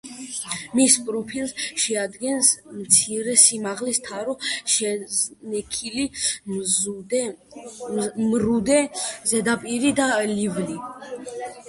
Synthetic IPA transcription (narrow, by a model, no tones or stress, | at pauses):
mispʼɾɔpʰilˠsʃɛad̪ɡɛnsmt̪sʰiɾɛsimaʁlist̪ʰaɾɔʃɛnɛkʰili | mɾud̪ɛzɛd̪apʼiɾid̪alivli